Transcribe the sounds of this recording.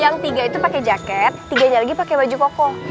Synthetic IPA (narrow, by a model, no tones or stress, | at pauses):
jaŋt̪iɡait̪upakɛd͡ʒakɛt̪ːiɡaɲalaɡipakebad͡ʒukɔkɔ